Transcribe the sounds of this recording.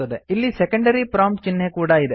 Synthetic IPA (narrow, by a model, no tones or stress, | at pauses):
ɐd̪eilːisɛkɐɳɖɐɾipɾaːmt͡ʃinːekuːɽɐid̪e